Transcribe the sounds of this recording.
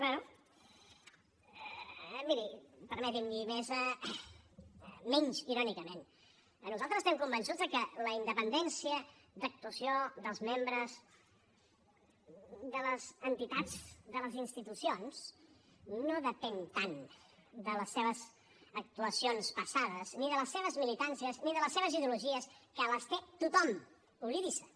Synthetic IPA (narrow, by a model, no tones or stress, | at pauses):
kbanu | miɾipəɾmɛt̪ind̪imezə | mɛɲziɾɔnikəmen | nuzalˠt̪ɾəzst̪ɛmkumbənsud͡zðəkələind̪əpənd̪ɛnsiə | d̪ək̚t̪uəsioðəlˠzmembɾəz | d̪ələzənt̪it̪ad͡zðələzinst̪it̪usions | noðəpɛnt̪an | d̪ələsːeβ̞əz | ək̚t̪uəsionspəsaðəzniðələsːeβ̞əzmilit̪ansiəzniðələseβəziðeuluʒiəskəːləst̪et̪ut̪ɔm | uβliβisə